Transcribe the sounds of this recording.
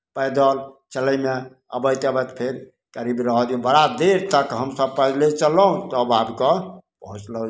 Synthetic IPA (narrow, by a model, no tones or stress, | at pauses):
pəjd̪əl | t͡ʃələjme | ə̰bəjt̪əbət̪pʰeɾ | kəɾibɾəɦɔd̪jubəɾad̪eɾt̪əkɦəmsəb̚pəd͡ʒlet͡ʃələɦũt̪əbabkɔpəɦut͡ʃlə